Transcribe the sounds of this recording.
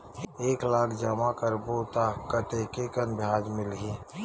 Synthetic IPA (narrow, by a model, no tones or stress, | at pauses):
eːklaːkʰd͡ʒəmakəɾboːt̪akət̪ekekənbʱjaːd͡ʒmɪlɦiː